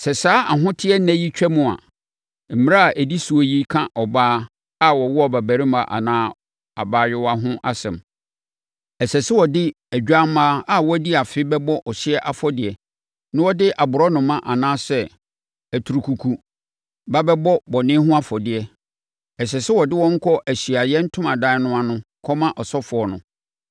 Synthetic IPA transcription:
sɛ˨saː˦ʔa˨ɦʊ̃˦tʰɪ˦ɛ˦næ̃˦ji˦t͡ɕᶣɛ˦mʊ̃˨a̰˨ | m̩˨m̃˦a˦˨ʔæ˨di˦su˨o˨˦ji˦kʰã˦ʔɔ˨baː˦ | a˦wɔ˨wɔ˦ɔ˦˨bæ˨bæ˨ɾi˦mã˨ʔa̰˨nãː˦ | a˨baː˦ɥɪ˦wa˦ɦʊ̃˦ʔa˦sɛ̰̃˨m | ɛ˨sɛ˨sɪ˦wɔ˨dɪ˦ | æ˨ɟᶣa˦m̩ː˦aː˦a˦wɔ˦di˦a˨fɪ˦bɛ˦bɔ˦ʔɔ˨ɕɪ˦ɛ˦ʔa˨fɔ˦dɪ˨ɛ˨ | nʊ̃˦wɔ˦dɪ˦ʔa˨bʊ˨ɾɔ˦nʊ̃˨mã˦ʔa˨nãː˦sɛ˦ | æ˨tʰu˨ɾu˨kʰu˨kʰu˨ | ba˦bɛ˦bɔ˦bɔ˨nɪ̃˦ɦʊ̃˦a˦fɔ˨dɪ˨ɛ˨ | ɛ˨s̬ɛ˨sɪ˦wɔ˨dɪ˦wɔ̃˦ŋ̩˦kʰɔ˦ʔæ˨ɕi˨a˨jɛ˦n̩˦tʰʊ̃˦mã˨dã˦nʊ̃˦a˦nʊ̃˦ | kʰɔ˦mã˦ʔɔ˨sɔ˦fʊ˨ɔ˨nʊ̰̃˨

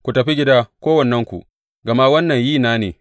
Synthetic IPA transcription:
kʷu˨tɐ˨ɸi˦ɡʲɪ˦daː˦kʷoː˦wɐ˨nːɛ˦ŋkʷṵ˨ʔ | ɡɐ˨ma˦wɐ˦nːɐ˨ɲjiː˦˨naː˦nḛː˨

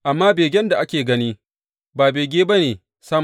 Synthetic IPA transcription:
ʔa˨mːaː˦beː˨ɡʲɛ˦nda˨ʔa˦kʲeː˨ɡɐ˦niː˦ | baː˨beː˨ɡʲeː˦ba˦neː˨ | sa˦m

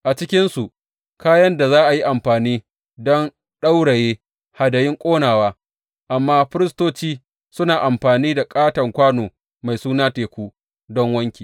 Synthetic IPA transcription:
ʔa˨t͡ʃɪ˦kʲɪ˦nsu˨ʔ | kaː˦jɐ˦nda˨zaː˦ʔa˨ji˦ʔa˨mɸaː˨niː˦ | dɔ˦n | ɗa˦wɽɐ˨jeː˦ | ha˨dɐ˨jɪ˦ŋkʷʼoː˦naː˨waː˦ | ʔa˨mːaː˦ɸɪ˦ɾɪ˦s̬toː˦t͡ʃiː˦ | sʊ˦naː˨ʔa˨mɸaː˨niː˦da˨kʼaː˦tɐ˨ŋkʷaː˦noː˨ | ma˨jsuː˦naː˦teː˨kʷuː˦ | dɔ˦ŋwɐ˦ŋkʲiː˨

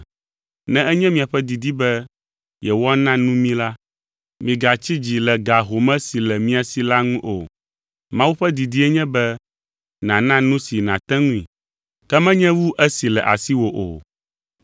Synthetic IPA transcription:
nɛ̃˦ɛ˦ɲɛ̃˦mĩ˨a˨ɸɛ˦d̪i˨d̪i˦bɛ˦ | jɛ˨wɔ˦nã˦nũ˦mĩ˦la˦ | mĩ˨ɡa˨t͡ɕi˦d͡ʑi˨lɛ˨ɡa˨ɦo˨mɛ̃˦si˨lɛ˨mĩ˦a˨si˨la˦ŋũ˦ʔo̰˨ | mã˦wu˦ɸɛ˦d̪i˨d̪i˦ɛ˦ɲɛ̃˦bɛ˦ | nã˨nã˦nũ˦si˨nã˨t̪ɛ̃˦ŋũ˦ḭ̃˨ | kɛ˦mɛ̃˦ɲɛ̃˦wu˦ʔɛ˦si˨lɛ˨ʔa̰˨si˦wo˨ʔo̰˨

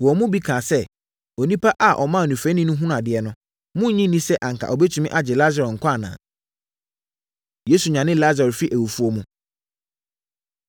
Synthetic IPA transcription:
wɔ˨mʊ̃˦bi˦kʰãː˨sɛ˦ | o˨nĩ˦pʰa˦ʔa˨ʔɔ˨mã˦˨nũ˨fɾæ̃˦nĩ˦nʊ̃˦ɦũ˦n˨a˨dɪ˨ɛ˦nʊ̃˦ | mʊ̃˦ɲĩ˦nĩ˦sɛ˦ʔa˨ŋkʰa̰˨ɔ˨bɛ˦tʰu˨mĩ˦ʔa˦d͡ʑɛ˨la˦za˨ɾɔ˨ŋ̩˨kʷʰɔ̃˦a˨nã̰ː˨ | je˦su˨ɲã˨nɪ̃˦la˦za˨ɾɛ˨fi˦ʔæ˨wu˨fu˦o˦mũ˦

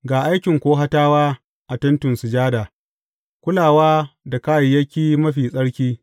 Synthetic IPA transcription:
ɡaː˨ʔa˦jkʲɪ˨ŋkʷoː˦ɦa˦taː˦waː˦ | ʔa˨tɐ˦ntʊ˨nsʊ˨d͡ʒaː˦daː˨ | kʷʊ˦laː˨waː˦da˨kaː˦ji˨jɐ˦kʲiː˦mɐ˦ɸiː˨sʼɐ˦ɽkʲiː˦

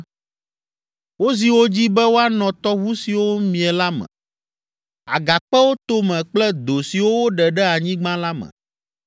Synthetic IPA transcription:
wo˦zi˨wo˦d͡ʑi˦bɛ˦wo˦a˦nɔ̃˨t̪ɔ˦βu˦si˨wo˦mĩ˨ɛ˨la˦mɛ̰̃˨ | a̰˨ɡa˨k͡pɛ˦wo˦t̪o˦mɛ̃˨k͡plɛ˦d̪o˨si˨wo˦wo˦ɖɛ˨ɖɛ˦a˨ɲĩ˦ɡ͡bã˦la˦mɛ̰̃˨

